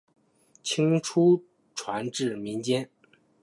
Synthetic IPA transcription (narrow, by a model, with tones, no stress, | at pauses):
t͡ɕʰi˥ŋʈ͡ʂʰu˥ | ʈ͡ʂʰwa˧˥nʈ͡ʂɻ̩˥˩mi˧˥nt͡ɕjɛ˥n